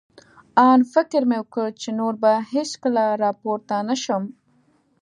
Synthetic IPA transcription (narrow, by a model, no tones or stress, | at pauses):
ɑnfɪkɾmewəkəɭt͡ʃenoɾbaheskəlaɾɑpoɾt̪anaʃəm